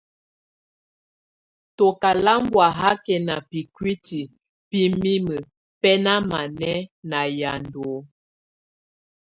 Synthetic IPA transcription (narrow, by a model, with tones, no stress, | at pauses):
to˨ka˨la˦mbwa˨ɦa˦kɛ˨na˨pi˨kwi˦ti˨ | pi˦mi˦mə˨ | pɛ˦na˦ma˨nɛ˦na˨ja˨ndoo˨˦